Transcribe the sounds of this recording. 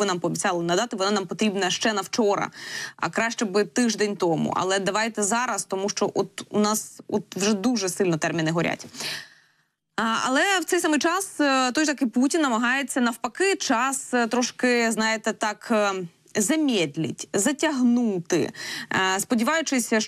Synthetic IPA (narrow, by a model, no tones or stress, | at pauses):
ɨnɑmpɔːbʲit͡sʲɑlˠɪnɐd̪ɑt̪ɪʋɔnɑnɑmpɔt̪ɾʲibnɐʃt͡ʃɛnɐwt͡ʃɔɾɐ̰ɐ̰kɾɑʃt͡ʃɛbɨt̪ɪʒd̪ɛnʲt̪ɔmṵʔɐ̰lˠɛd̪ɐʋɑjt̪ɛzɑɾɐst̪ɔmuʃt͡ʃɔʔɔt̪unɑsɔt̪ʋʒɛd̪uʒɛsɪlʲnɔt̪ɛrmʲinɪɦɔɾʲʔa̰tʲ | ɐ̰lˠɛwt̪sɛjsɑmɨjt͡ʃɑst̪ɔjt̪ɐkɪjputʲinːɐmɐɦɑjet͡sʲːɐnɐwpɐkɪt͡ʃɑst̪ɾɔʃkɪznɑjet̪ɛt̪ɑk | zɐmʲɛd̪ʲlʲḭtʲzɐtʲɐɦnut̪ɪ̰ | spɔdʲiʋɑjʊt͡ʃɪsʲɐ